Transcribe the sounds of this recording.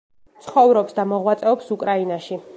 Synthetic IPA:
t̪sʰχɔvɾɔpsd̪amɔʁwat̪sʼɛɔpsukʼɾainaʃi

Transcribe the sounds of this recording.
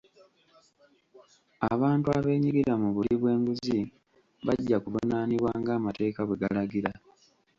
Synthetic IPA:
aβaːntuaβe̞ːɲiɡiɾamuβuliβwe̞ːmbuzi | βaɟːakuvunaːniβwaːŋɡaːmate̞ːkaβwe̞ɡalaɡiɾa

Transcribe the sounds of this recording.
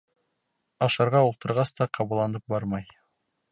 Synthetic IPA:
ɑʃɑɾʁɑulˠt̪ɤ̆ɾʁɑst̪ɑqʰɑβɤ̆lˠːɑnɤp̚bɑɾmɑj

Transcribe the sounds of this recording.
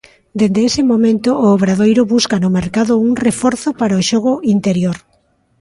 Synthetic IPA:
d̪end̪eesɪmomẽnt̪ʊʔːβɾaðojɾʊβuskanʊmeɾkaðʊuŋrefɔɾθʊpaɾaoʃɔɣ̞ʊint̪eɾjoɾ

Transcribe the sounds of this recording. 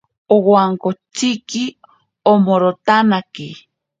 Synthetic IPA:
owaŋkot͡ʃiki | omoɾot̪anaki

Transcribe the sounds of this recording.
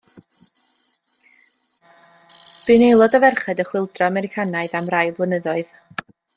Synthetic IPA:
b̥ɨnejlˠɔdɔvɛrχɛdəχwɪlˠdrɔamɛɾɪkʰanaɨðamrajˠblˠənəðɔɨð

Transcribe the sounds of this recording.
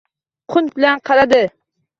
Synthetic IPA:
qʰʊnbɪlanqʰɑɾad̪ɪ

